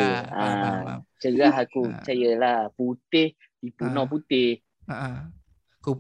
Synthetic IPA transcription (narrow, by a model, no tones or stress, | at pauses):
a | t͡ʃəɡaɦakut͡ʃajəlahput̪ɪh | dipunɔp̬ut̪ɪh